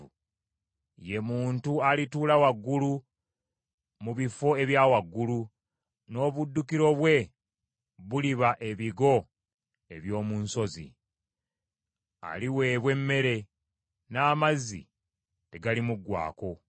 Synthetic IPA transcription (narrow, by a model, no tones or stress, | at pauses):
je̞muːntualituːlawaɡːulu | muβifo̞e̞βjaːwaɡːulu | no̞ːβudːukiɾo̞βwe̞ | βuliβaʔe̞βiɡo̞ | e̞βjo̞ːmuːnso̞zḭ | a̰liwe̞ːβwe̞mːe̞ɾe̞ | naːmazḭ | te̞ɡalimuɡwa̰ːko̞